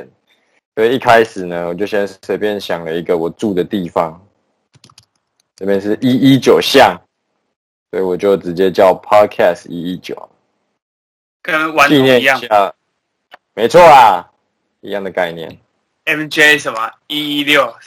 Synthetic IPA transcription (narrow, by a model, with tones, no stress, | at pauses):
n | t̪we˥˩e˨i˥˩kʰa˦ɪʂɻ̩˨˩nə˦wɔ˨˩t͡ɕjo˥˩ʊɕjɛ˥nswe˥ɪpjɛ˥˨nɕjɑ˨˩ŋlə˦i˦ɡə˨wɔ˨˩ʈ͡ʂu˥˨d̪ə˩t̪i˥˨fɑ˦ŋ | ʈ͡ʂə˥˧pjɛ˥˧nʂɻ̩˥˩ʔi˦˥i˦t͡ɕjo˨˩ʊɕjɑ˥˨ŋ | swoe˧˥i˨wɔ˨˩t͡ɕjo˥˩ʊʈ͡ʂɻ̩˧˦t͡ɕjɛ˦t͡ɕjɑ˥˩ʊpʰɑ˦d̚kʰæ˥˧sḭ˦i˦˥t͡ɕjo̰˨˩ʊ | kə˦ŋwa˧˦ni˥˧˨njɛ˥˨ɕa˥˩ | me˧ɪt͡sʰwɔ˥˩a˨˩ | ḭ˧˥jɑ˥˩ŋd̪ə˩ka˥˧ɪnjɛ̰˥˨˩n | ɛ˦vnt͡ʃe˦˨sə˨˩mɐ˨i˦i˦ljo˥˨ʊ